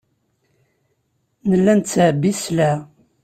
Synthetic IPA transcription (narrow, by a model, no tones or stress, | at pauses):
nəlːænt̪t͡sːʕəbːislæ